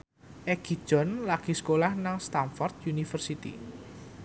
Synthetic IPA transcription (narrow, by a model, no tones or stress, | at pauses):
ʔɛɡ̥i̥ʒ̥ɔ̤nlaɡ̥iskolahnaŋst̪anfɔrt̪̚junifərsit̪ḭ